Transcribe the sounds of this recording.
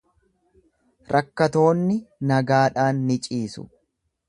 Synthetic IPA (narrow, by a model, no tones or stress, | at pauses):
ɾʔɐkːɐt̪o̞ːnːɪnɐɡaːᶑaːnːɪt͡ʃʼiːsʊ̰